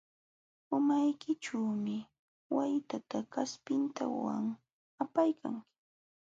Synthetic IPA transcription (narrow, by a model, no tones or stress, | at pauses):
ʊmajkɪʈ͡ʂaːmɪ | wajt̪at̪akaspɪnt̪a̰wa̰ŋ | apajkʰa̰ŋkɪ̥